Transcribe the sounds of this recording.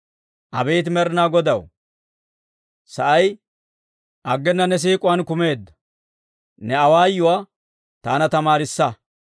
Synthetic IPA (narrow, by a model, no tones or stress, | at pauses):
ʔɐbejt̪ɪmɛɾnaːɡɔd̪ɐw | sɐʔɐj | ʔɐɡːɛnːɐnɛs̬iːkʼʊwɐnkʊme̞ːd̪ːɐ̥ | nɛɐwaːjːʊwaː | t̪aːnɐt̪ɐmaːɾɪsːɐ